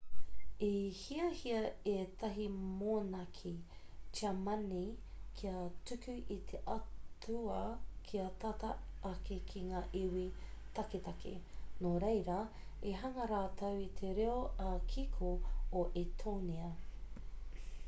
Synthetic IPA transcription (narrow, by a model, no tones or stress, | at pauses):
ihiɐhiɐet̪ɐɦimoːnɐkʰi | t͡ʃiamɐnikʰiɐtʉkʉʔit̪ʰeʔɐtʰuɐkʰiɐt̪ɐt̪ɐɐkekʰiŋaːʔiwit̪ɐket̪ɐkʰḛnoɾejɾɐ | eɦɐŋɐɾaːt̪ʰɐwit̪ʰeɾeoɐkʰikʰooʔet̪ʰoniɐ